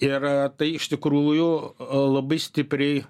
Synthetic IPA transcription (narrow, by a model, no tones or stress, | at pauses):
ɪrt̪ɐɪɪʃʲt̪ʲɪkɾuuːjʊlˠɐbɐɪsʲt̪ʲɪpʲɾʲɛɪ